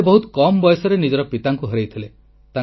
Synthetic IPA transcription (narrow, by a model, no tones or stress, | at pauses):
bɔɦut̪kɔmɔbɔjɔsɔɾenid͡ʒɔɾɔpit̪aŋkuɦɔɾejt̪ʰile | t̪a